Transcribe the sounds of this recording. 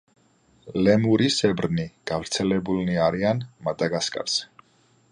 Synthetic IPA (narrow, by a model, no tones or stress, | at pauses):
lɛmuɾisɛbɾniɡ̥avɾt̪sʰɛlɛbulniaɾianmad̪aɡaskʼa̰ɾs